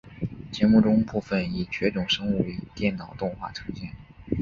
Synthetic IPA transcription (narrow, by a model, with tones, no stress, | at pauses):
t͡ɕjɛ˧˥mu˥˩ʈ͡ʂʊ˥ŋpu˥˧fə˨˩ni˨˩t͡ɕʰɥɛ˧˥ʈ͡ʂʊ˨˩ŋʂɤ˥ŋu˥˩y˥˨˩t̪jɛ˥˩nnɑ˨˩ʊt̪ʊ˥˧ŋxwa̰˥˩ʈ͡ʂʰɤ̥˧˥ŋɕjɛ˥˩n